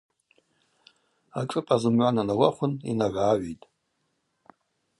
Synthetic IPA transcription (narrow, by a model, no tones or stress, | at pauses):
aʈ͡ʂʼɨpʼazɨmɥʷananawaχʷʊnḭnaraːɥejtʼ